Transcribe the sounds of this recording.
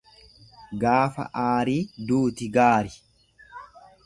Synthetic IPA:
ɡaːfɐ̰ʔaːɾiːd̪uːt̪ɪɡaːɾɪ

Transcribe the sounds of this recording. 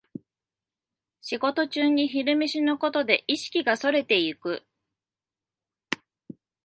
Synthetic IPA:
ɕiɡo̞t̪o̞t͡ɕɨːɲ̟içiɾɯ̟meɕinoko̞t̪o̞d̪e̞̰ʔiɕi̥kʲiɡaso̞ɾe̞t̪e̞ikɯ̟

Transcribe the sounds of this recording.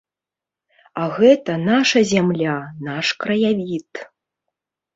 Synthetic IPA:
aɣɛt̪ɐnaʂɐzʲamlʲanaʂkɾɐjavʲit̪

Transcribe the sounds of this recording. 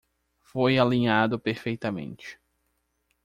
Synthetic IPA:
fojalĩɲad̪ʊpeɾfejt̪ɐmḛ̃nt͡ʃɪ̥

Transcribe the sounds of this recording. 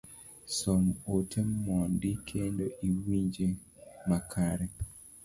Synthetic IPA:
somotʰemɔndikʰendoʔiwiɲd͡ʒemakʰaɾɛ

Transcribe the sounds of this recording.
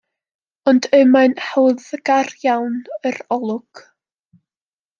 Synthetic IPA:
ɔndəmanhɛwðɡ̥arjawnəɾɔlˠʊɡ̥

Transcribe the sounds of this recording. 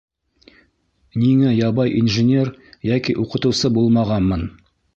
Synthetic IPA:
niŋæjɑbɑjʔḭnʒenʲe̞rjækʲijʔoqət̪uwsəbo̞lˠmɑʁɑnmən

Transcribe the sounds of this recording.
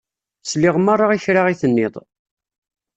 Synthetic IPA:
slɪʁmarˤːaiçɾaʁiθənːɪðˤ

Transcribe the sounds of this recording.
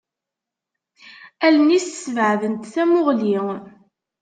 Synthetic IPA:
ælənissvəʕðənt̪θæmʊʁliŋ

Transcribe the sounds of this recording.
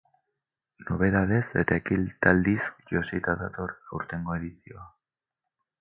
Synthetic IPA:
noβ̞e̞ðað̞e̞se̞t̪aekilt̪ald̪isʝosit̪aðat̪o̞ɾawɾt̪e̞ŋɡoe̞ðisio̞a

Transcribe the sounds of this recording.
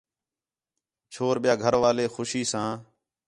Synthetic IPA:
t͡ʃʰoːɾɓɪjaːɡʱəɾʋaːleːxʊʃiːsãː

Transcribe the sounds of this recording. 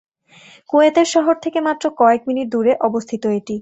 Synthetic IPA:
koet̪eɾʃɔɦoɾt̪ʰekemat̪ːɾokɔekminiʈ̚d̪uɾeʔɔbost̪ʰit̪oeʈi

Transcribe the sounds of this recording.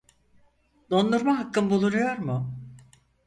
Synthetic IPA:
d̪o̞nd̪uɾmaɦakːɯmbulˠuɾujo̞ɾmʊ

